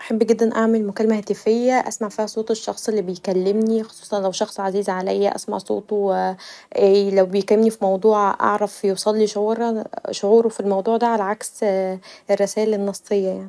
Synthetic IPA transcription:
ʔaħabːɡed̪ːænʔaʕmelmokælːmæhæːt̪æfejːæʔæ̰smaʕfiːhæsˤoːt̪ˤeʃːɑ̰xsˤelːibejkælːemnixo̥sˤu̥ːsˤɑnlæwʃɑxsˤʕaziːzʕalæjːæʔæ̰sma̰ʕsˤo̰ːt̪ˤo | ʔelæwbejkælːemnifimɑwd̪ˤuːʕʔɑ̰ʕɾˤɑfjewsˤɑlːiʃoʕuːɾˤʃoʕuːɾofilmɑwd̪ˤuːʕd̪æʕalæʕaks | erːesæːlenːɑsːˤejːɑjaʕni

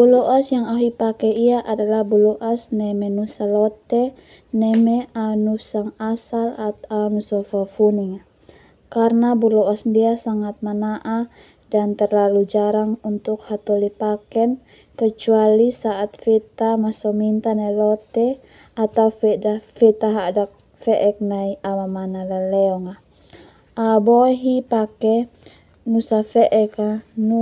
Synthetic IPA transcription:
bulɔʔɔsjaŋaɦuipakɛiaʔadalahbulɔʔasnɛmɛnusalɔt̪ɛ | nɛmɛanusaŋasalat̪anusɔfɔfuniŋa | karnabulɔɔsdiasaŋat̪̚manaʔa | dant̪ɛrlalud͡ʒaɾaŋunt̪ukhat̪ɔlipakɛn | kət͡ʃualisaʔat̪̚fɛt̪amasɔmint̪anailɔt̪ɛ | at̪aufɛafɛt̪aɦadak̚ | fɛʔɛk̚naiamamanalalɛɔŋa | abɔɦipakɛ | nusafɛʔɛkanu

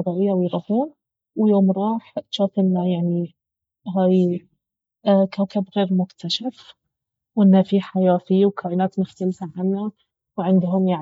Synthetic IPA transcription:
ɾˤɑːʔɪjːawjɣahuːn | wjoːmɾˤɑːħʃaːt̪ɪlnajaʕni | ɦaːj | kaːkabɣeːɾmʊkt̪ʰaʃaf | wʔɪnːafiħajaːfiːwkʰaːʔiːnaːt̪mʊxt̪alfaʕanːa | wʕɪnd̪ɦʊmjaʕ

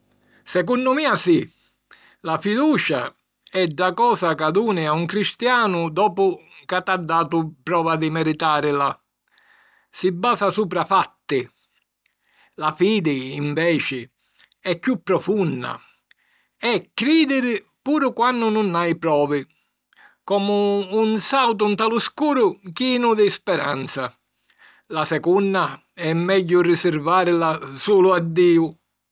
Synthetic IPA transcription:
sɛk̬unːʊmiːasi | lafid̪uːt͡ʃa̰ | ɛɖːakɔːsakad̪uːnɪauŋkɾist̪jaːnʊd̪ɔːpʊkat̪ːad̪ːaːt̪ʊpɾɔːvad̪ɪmɛɾit̪aːɾɪla | sɪbːaːsasuːp̬ɾafat̪ːɪ | lafiːd̪ɪːɱvɛːt͡ʃɪ | ɛkːjupːɾɔfunːa̰ | ɛkːɾiːd̪ɪɾ | puːɾʊkwanːʊnʊnajpɾɔːvɪ | kɔːmʊːnsawt̪unt̪alʊskuːɾʊkinʊd̪ɪspɛɾa̰nt̪sa | lasɛkunːa | ɛmːɛʎːʊrɪsɪɾvaːɾɪlasuːlʊad̪ːiːʊ

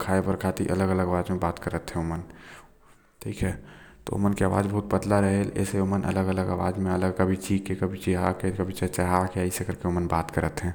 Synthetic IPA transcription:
kʰaːepəɾkʰaːt̪ḭʔɐləɡələɡaːʋaːd͡ʒmẽbaːt̪kəɾət̪ɦɛ̃ʊmən | ʈʰiːkʰɛːt̪o̰o̰mənkeaːʋa̰ːd͡ʒbɐɦʊt̪̚bəd̪laɾɐɦelɛ̰ːseomənʔɐ̰ləɡələɡaʋa̰ːd͡ʒmẽɐləɡkɐbʱit͡ʃiːkːekɐbʱit͡ʃiɦakekɐbʱit͡ʃɐt͡ʃaɦakeaɪsekɐɾkeʊmənbaːt̪kəɾət̪ɦɛ̃ː

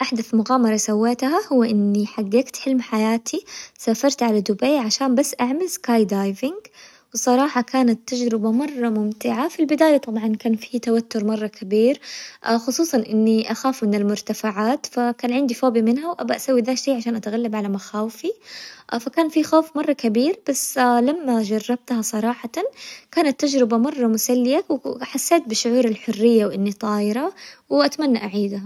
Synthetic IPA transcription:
ʔaħd̪aθmʊɣaːmɑɾˤɑsawːeːt̪hahʊwːaʔɪnːiħaɡːeːkt̪ħɪlmħajaːt̪ʰisaːfɑɾˤt̪ʕalad̪ʊbejʕaʃaːnbasːʔaʕmalskaːjd̪aːjvɪŋɡ | wɪsˤɑɾˤɑːħɑkaːnat̪ːad͡ʒɾɪbamɑrˤːɑmʊmt̪ɪʕafilbɪd̪aːjat̪ˤɑbʕɑnkaːnfit̪awat̪ːʊɾˤmɑrˤːɑkʰabiːɾxʊsˤuːsˤɑnʔɪnːiʔaxaːfmɪnɪlmʊɾt̪afaʕaːt̪fakaːnʕɪnd̪ifoːbimɪnɦawʔabaʔasawːiðaːʃijːʕaʃaːnʔat̪ɣalːabʕalamaxaːwɪfifakaːnfixoːfmɑrˤːɑkabiːɾb̥asːlamːad͡ʒɑrˤːɑb̚t̪hasˤɑɾˤɑːħɑt̪akaːnat̪ːad͡ʒɾɪbamɑrˤːɑmʊsalːɪjawħasːeːt̪̚bɪʃːʊʕuːɾalħʊrːɪjːawʔɪnːit̪ˤɑːjɪɾɑwʔat̪manːaʔaʕiːd̪a

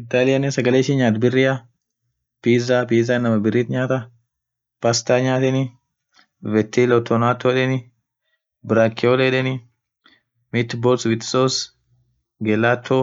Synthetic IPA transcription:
ɪt̪ːaːlɪjɐnɛsɐɡɐleːʃɪɲaːt̪bɪrːɪjɐ | piːzaːpiːzanɐmɐbɪrːiːt̪ɲaːt̪ɐ | pɐst̪aɲaːt̪ɪnɪ | vɛt̪ʰːilɔt̪ːɔnaːt̪ʰːoᶑɛnɪ | bɪɾakːɪoleᶑɛnɪ | mɪt̪ːboːlswɪt̪ːɪ̥sos | ɡɛlːaːt̪ʰːo

